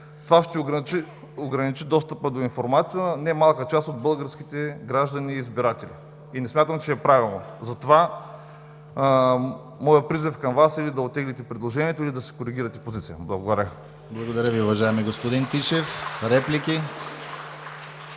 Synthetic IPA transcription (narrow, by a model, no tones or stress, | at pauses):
t̪ovaʃt̪ɛoɡt͡ʃi | oɡɾɐnit͡ʃid̪ɔst̪əpəd̪oinfoɾmat̪sijənɛmalˠkət͡ʃast̪od̪̚bɤlˠɡəɾsk̟it̪ɛɡɾaʒd̪ɐniːzbiɾat̪ɛlḭ | inɛsmʲat̪əmt͡ʃɛːpɾavilˠno̰zɐt̪ova | mɔjəpɾizifkɐmvasilid̪ɐot̪ːɛɡlɛt̪ɛpɾid̪lˠoʒɛniɛt̪oʊilʲid̪ɐsɛ̥koɾiɡ̟ʲiɾɐt̪ɛ̥pozit̪sijə̰blˠɐɡod̪ɐɾʲə | blˠɐɡod̪ɐɾʲəviʊvɐʒaɛmiɡospod̪int̪iʃɛfɾɛplikʲi